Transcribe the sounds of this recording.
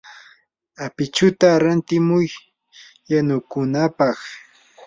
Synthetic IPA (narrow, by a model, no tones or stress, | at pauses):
apɪt͡ʃʊt̪aɾant̪ɪmʊj | janʊkʊnapɑχ